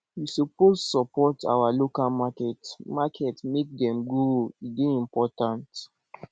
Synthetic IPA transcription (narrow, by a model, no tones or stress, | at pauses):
wisupossɔpɔtʰa̰walokalmakɛtmakʰɛtmek̚dɛ̃mɡoideĩmpɔtãnt